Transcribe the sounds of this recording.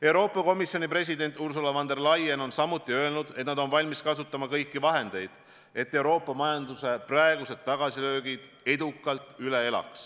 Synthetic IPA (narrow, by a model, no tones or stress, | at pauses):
e̞wɾo̞ːpːˑɑko̞misjo̞nipre̞s̬ʲid̪e̞nʲt̪ːˑurs̬ulɑvɑnd̪e̞rlɑjeno̞nsɑmut̪ːˑiø̞elnud̪̥e̞t̪nɑd̪o̞nvɑlʲmiskɑsut̪ːˑɑmɑkɤjkːivɑɦe̞nd̪̥e̞jd̪̥ | e̞t̪ːe̞wɾo̞ːpːˑɑmɑjɑnd̪use̞prɑeɡ̥use̞d̪̥̚t̪ːɑɡ̥ɑsilø̞ːɡid̪̥ | e̞d̪ukːˑɑlt̪ˑyle̞e̞lɑ̰ks